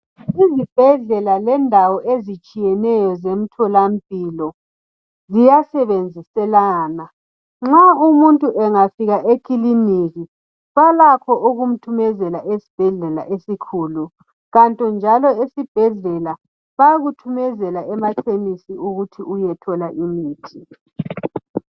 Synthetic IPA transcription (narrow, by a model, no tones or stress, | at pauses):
izib̥ʱɛɮɛlalɛndʱawɔʔezit͡ʃʼijɛnɛjɔzem̩tʰɔlam̩pʼilɔ | zijasɛβend͡zʱisɛlaːna | ŋ͡ǁaumuntʼuʔɛŋafiɣaʔekʼiliniɣi | βalakʰɔʔuɣum̩tʰumɛzɛlaʔesi̥b̥ʱɛɮɛla̰ʔesikʰulu | ɣantʼɔnd͡ʒʱalɔesib̥ʱɛɮɛla | βajɣutʰumɛzɛlaɛmatʰenisiuɣutʰiʔujɛtʰɔlaʔimiːtʰi